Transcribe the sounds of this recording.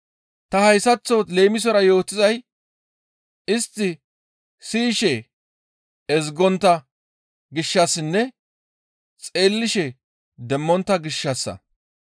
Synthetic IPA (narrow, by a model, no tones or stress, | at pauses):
t̪ɐhɐjsɐt͡sːole̞ːmɪs̬ɔɾɐjo̞ːt̪ːɪzɐj | ɪst̪ːɪ | siːʃɛ | ɛzɡɔnt̪ːɐ | ɡɪʃːɐsɪnːɛ | t͡sʼe̞ːlːɪʃɛ | d̪ɛmːɔnt̪ːɐɡɪʃːɐsːɐ̰